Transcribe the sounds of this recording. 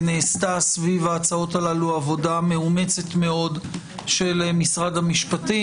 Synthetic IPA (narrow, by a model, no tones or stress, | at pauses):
neːstasvivaːt͡sao̞talaluavo̞dame̞ume̞t͡se̞tme̞o̞d | ʃelmisʁadamiʃpati